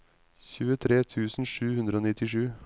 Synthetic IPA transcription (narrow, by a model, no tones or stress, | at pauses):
çʉːət̪ʰɾeːt̪ʰʉːsn̩ʂʉːhʉnd̪ɾəoːnɪt̪ɪʂʉː